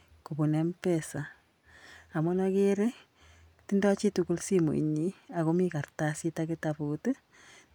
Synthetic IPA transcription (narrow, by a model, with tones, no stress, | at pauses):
kubu˨nɛ˦mpɛsaː˨ | mɔ˦nake˦ɾe˦ | ti˦ndɔ˦t͡ʃi˦tuku˦lsimṵ˨ḭ˨ɲiako˦mika˨ɾtasi˦takitaput